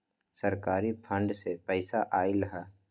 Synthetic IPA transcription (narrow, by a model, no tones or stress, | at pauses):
səɾkaːɾipʰə̃ɳɖsepɛɪsaʔaːilɦɛː